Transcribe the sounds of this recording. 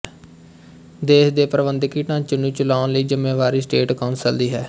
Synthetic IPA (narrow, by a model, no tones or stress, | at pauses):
d̪eːsd̪eːpɾəbənd̪ɪkiːʈãːt͡ʃənːũːt͡ʃʊlaːʊnləiːzɪmẽːʋaːɾiːsʈeːʈkɔːnsəld̪iːɦɛː